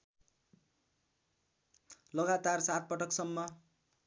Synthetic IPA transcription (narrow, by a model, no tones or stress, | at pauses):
lʌɡat̪arsat̪̚pʌʈʌksʌmːʌ